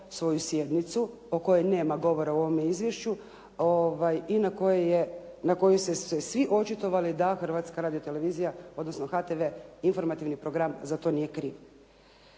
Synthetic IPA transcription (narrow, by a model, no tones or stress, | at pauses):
sʋo̞jusje̞d̪nit̪su | oko̞jene̞ːmaɡo̞ʋo̞ɾauo̞ʋomeizʋjeʃt͡ɕu | oʋajinakojejenako̞jusessesʋiʔo̞t͡ʃɪt̪o̞ʋalid̪axr̩ʋaːt̪skaɾaːd̪ijot̪e̞le̞ʋiːzijao̞d̪nosnoxat̪eʋe̞info̞ɾmat̪iʋnipɾo̞ɡɾamzat̪o̞nijekɾiːʋ